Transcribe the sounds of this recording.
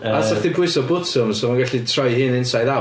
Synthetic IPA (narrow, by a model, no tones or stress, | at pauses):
asaχdɪbʊɨsɔbʊːd̥sɪmsɔmanɡɛɬitʰrɔjhɨːnɪnsajða